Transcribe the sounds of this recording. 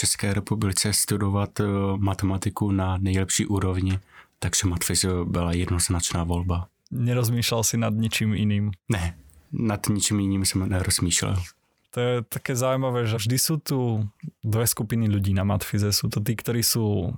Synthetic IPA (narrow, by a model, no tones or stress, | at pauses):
ft͡ʃɛskɛːɾɛpublɪt͡sɛst̪udovat̪mat̪ɛmat̪ɪkunanɛjlɛpʃiːʔuːɾovɲɪt̪aɡʒ̥ɛmat̪fɪzbɪlajɛd̪noznat͡ʃnaːvolba | ɲɛɾɔzmiːʃlalsinad̪̚ɲit͡ʃimḭniːmnɛnad̪ɲit͡ʃimjiniːmsɛmnɛɾɔz̥miːʃlɛ̰l | t̪ɔjɛt̪akɛːzaːujmaʋɛːʒɛvʒd̪isuːt̪ud̪ʋɛskupiniʎuɟiːnama̰t̪fizɛsuːt̪ɔt̪̬iːkt̪ɔɾiːsuː